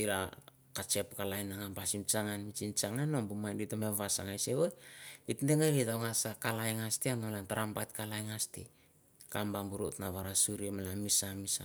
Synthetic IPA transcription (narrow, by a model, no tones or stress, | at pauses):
iɾa | kat͡ʃe̞pkalajnaŋampasimt͡ʃaŋanmit͡ʃint͡ʃaŋanombumajnditomeβasa̰ŋajseβojitndeŋaɾitawŋasakalajŋastianolantaɾampajtkalajŋastḭ | kambambuɾotnaβaɾasuɾiemalamisamisa